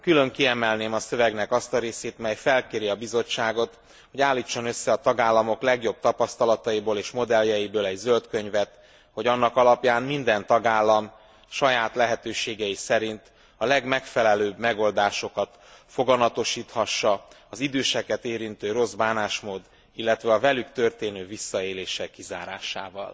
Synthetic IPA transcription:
kylø̞ŋkiɛmɛlneːmɒsø̞vɛɡnɛkɒst̪ɒɾeːseːt̪mɛjfɛlkeːɾiɒbizo̞t͡ʃːaːɡo̞t̪ | ho̞ɟaːlːit͡ʃːo̞nø̞sːɛɒt̪ɒɡaːlːɒmo̞klɛɡjo̞b̚t̪ɒpɒst̪ɒlɒt̪ɒjiboːleːʃmo̞d̪ɛljɛjibøːlɛɟzølt̪kø̞ɲvɛt̪ | ho̞ɟɒnːɒkɒlɒpjaːnmind̪ɛnt̪ɒɡaːlːɒm | ʃɒjaːt̪lɛɦɛt̪øːʃeːɡɛjisɛɾint̪ | ɒlɛɡmɛkfɛlɛløːbmɛɡo̞ld̪aːʃo̞kɒt̪ | fo̞ɡɒmɒt̪o̞ʃiːt̪hɒʃːɒɒzid̪øːʃɛkɛt̪eːɾint̪øːɾo̞zbaːnaːʃmoːd̪ | ilːɛt̪ʋɛɒvɛlykt̪ø̞rt̪eːnøːvisːɒeːleːʃɛkːizaːɾa̰ːʃa̰ːvɒ̰l

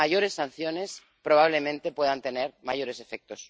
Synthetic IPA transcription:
aʝo̞ɾe̞sːan̟θjo̞ne̞s | pɾo̞β̞aβ̞le̞mẽnt̪e̞pwe̞ðant̪e̞ne̞ɾmaʝo̞ɾe̞se̞fe̞k̚t̪o̞s

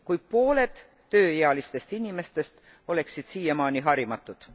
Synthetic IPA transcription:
kujpo̞ːle̞d̪̥ː | ø̞ːjeɑlist̪e̞st̪inʲime̞st̪e̞st̪ | o̞le̞ksid̪̥siːjɑmɑːniɦɑɾimɑt̪ːˑud̪̥

